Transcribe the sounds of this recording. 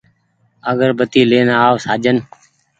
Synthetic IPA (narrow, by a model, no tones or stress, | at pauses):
əɡəɾbət̪iːleːnaaːʋsaːd͡ʒən